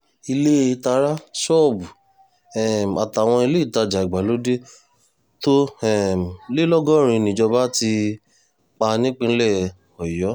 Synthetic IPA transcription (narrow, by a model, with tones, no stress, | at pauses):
i˧le˦˧˦ta˧ɾa˦ʃɔ˦˨bu˨ | ɛ˨m˨a˨ta˨w̃ɔ̃˧i˧le˦i˦˨ta˧d͡ʒa˨i˨ɡ͡ba˨lo˨˦de˦ | to˦ɛ˦˨m˨le˦lɔ˦ɡɔ˦˨ɾ̃ĩ˧nĩ˨d͡ʒɔ˧ba˦ti˧ | k͡pa˧nĩ˦k͡pĩ˧˦lɛ˦˨ | ɔ˨jɔ˨˦